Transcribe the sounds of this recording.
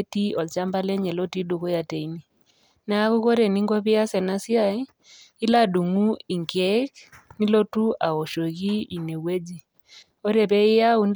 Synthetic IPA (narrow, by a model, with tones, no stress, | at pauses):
ti˦ɔ˨lt͡ʃa˦mba˦lɛ˦ɲɛ˨lɔ˦ti˦ɗu˨ɣɔ˦ja˨tɛ˨i˦ni˦˨ | na˦ɣu˦ɣɔ˦ɾɛ˨ni˦ŋɡɔ˦βi˦a˦sɛ˨na˦si˦a˨i˦ | i˦la˦ɗu˨ŋu˦i˨ŋkɛ˦kni˦lɔ˦tu˦ʔa˨ɔ˨ʃɔ˨ɣi˦i˨nɛ˨wɛ˦d͡ʒi˦ | ɔ˦ɾɛ˨βɛ˦i˦ja˦u˦n